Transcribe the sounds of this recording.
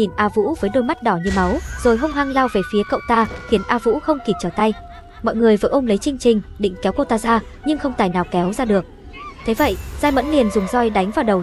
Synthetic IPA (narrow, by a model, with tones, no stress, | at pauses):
i˨˩nʔaː˧vṵ˧˥vəː˨˦jɗo˧jma˦˥t̚ɗɔ˧˩ɲɨ˧˩ma˨˦wz̥o˨˩jɦə˧wŋ͡mɦaː˧ŋlaː˧wve˨˩fi˨˦əkə̰˧˨wt̪aː˧xi˨˦ənʔaː˧vṵ˧˥xə˧wŋ͡mki˨˩t͡ɕəː˧˩t̪a˧j | mɔ̰˧˨jŋɨ˨˩əjvə̰˨˧˩ʔə˧wŋ͡mlə˨˦jt͡ɕɨ˧ŋ̟t͡ɕï˨˩ŋ̟ɗḭ˧˨ŋ̟kɛ˨˦wko˧t̪aː˧zaː˧ | ɲɨ˧ŋxə˧wŋ͡mt̪aː˨˩jnaː˨˩wkɛ˨˦wzaː˧ɗɨ˨˩ək̚ | t̪ʰe˨˦və̰˧˨jzaː˧jmə̰˧˥nli˨˩ənzʊ˨˩ŋ͡mzɔ˧jɗa˨˦jŋ̟vaː˨˩wɗə˨˩w